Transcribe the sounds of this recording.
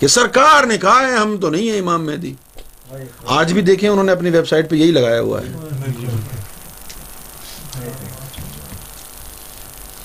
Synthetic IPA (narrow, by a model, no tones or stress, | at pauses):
kesɐɾkaːɾnekɐɦaɦɛɦɐmt̪onɐɦĩɦɛɪmaːmːɛːd̪iː | aːd͡ʒbʱid̪eːkʰẽʊnɦõːneɐpniʋeːbsaːɪʈpejɐɦilɐɡaːja̰ɦʊ̰a̰ɦɛ̰ː